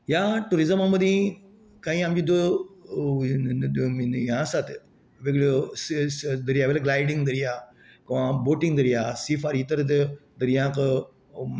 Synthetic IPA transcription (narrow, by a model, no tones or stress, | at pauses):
jaʈuɾizəmaməd̪ĩ | kaĩamd͡ʑid̪o | injãːsat̪ | ʋeɡɭosd̪əɾjaːʋelaɡlaːjɖĩŋɡd̪əɾijaː | kɐʋãboːʈiŋɡd̪əɾijasifaɾiːt̪əɾd̪d̪əɾjãːk